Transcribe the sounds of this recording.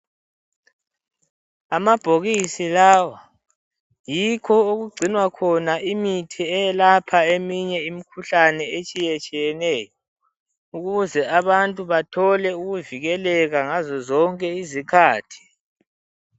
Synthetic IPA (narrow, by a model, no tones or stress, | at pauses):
amab̥ʱoɣisilaːwa | jikʰɔoɣuɡ͡ǀʱinwakʰɔnaʔimitʰiɛjɛlapʰaemiɲɛimikʰuɬanɛet͡ʃʼijɛt͡ʃʼijɛnɛːjɔ | uɣuzɛaβantʼuβatʰɔlɛuɣuviɣɛlɛɣaŋazɔzɔŋkʼɛizikʰaːtʰi̥